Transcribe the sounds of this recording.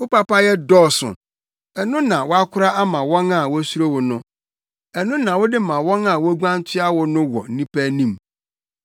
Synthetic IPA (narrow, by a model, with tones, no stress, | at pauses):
wʊ˦pa˦pa˦jɛ˦dɔː˦˨sʊ̰˨ | ɛ˨nʊ̃˦nã˨wʊ˦a˦kʰʊ˦ɾa˦a˦mã˨wɔ̃˦na˨wʊ˦su˦ɾo˦wʊ˨nʊ̃˦ | ɛ˨nʊ̃˦nã˨wʊ˦dɪ˦mã˨wɔ̃˦ŋa˨wʊ˦ɡʷã˦n˦tʰɪ˦a˦wʊ˨nʊ̃˦wɔ̰˨n̩˦nĩ˦pʰæ˦nĩ˦˨m